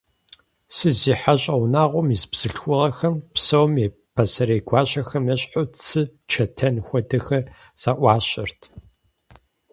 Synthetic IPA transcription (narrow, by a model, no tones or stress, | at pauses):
sɨziːħaɕʼɐwnaːʁʷɔmizbz̥ɨɬxʷʊʁɐxɐmpsɐwmje | pʰɐsɐɾeːɡʷɑːɕʼɐxɐmjɛɕʼħʊt͡sʰɨt͡ʃʰɐtʰɐnxʷɔdɐxɐ | z̥aːʔʷɑːɕɐrtʰ